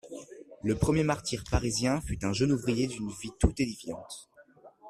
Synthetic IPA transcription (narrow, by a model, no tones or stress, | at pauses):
ləpχəmjemaʁt̪iʁpaʁizjɛ̃fyt̪ɛ̃ʒənuvʁijed̪ynvit̪ut̪elivjɑ̃t̪